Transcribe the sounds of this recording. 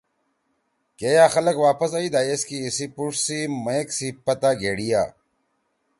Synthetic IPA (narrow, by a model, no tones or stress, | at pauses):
kejaːxɐlɐkwaːpɐsaid̪aːjeskiːsipuʂsimɐeksipɐt̪aːɡeɽija̰ː